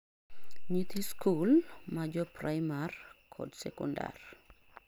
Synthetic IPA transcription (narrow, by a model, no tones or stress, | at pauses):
ɲit̪iskʰulmad͡ʒɔpɾajmarkʰɔ̰dsɛkɔ̰nda̰r